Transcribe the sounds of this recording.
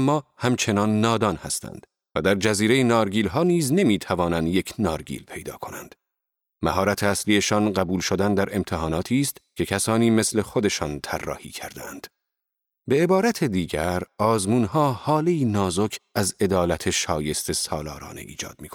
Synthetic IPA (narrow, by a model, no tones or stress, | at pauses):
mːɒːhæmt͡ʃʰe̞nɒnːɒːd̪ɒːnhæ̰st̪ʰæ̰nd̪̥ | væd̪æɾd͡ʒæziːɾe̞jenɒːɾɡiːlɦɒːniːzne̞miːt̪ʰævɒːnænd̪je̞cʰnɒːɾɡḭːlpʰe̞jd̪ɒ̰ːkʰo̞nænd̪̥ | mæɦɒːɾæt̪ʰeæsliːe̞ʃɒnɢæbuːlʃod̪ænd̪æɾe̞mt̪ʰe̞ɦɒːnɒːt̪ʰiːst̪cʲʰekʰæsɒːniːme̞sle̞xod̪e̞ʃɒːnt̪ʰærːɒ̰ːhiːkʰæɾd̪eænd̪̥ | be̞ebɒːɾæt̪ʰed̪iːɟæɾɒːzmuːnhɒːhɒːleiːnɒːzocʰæze̞d̪ɒːlæt̪ʰe̞ʃɒːje̞st̪ʰe̞sɒːlɒ̰ːɾɒ̰ːne̞̰ʔḭːd͡ʒɒ̰ːd̪̥̚miːko